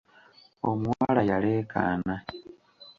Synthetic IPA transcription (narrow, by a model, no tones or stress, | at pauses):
omwalajaleːkʰa̰na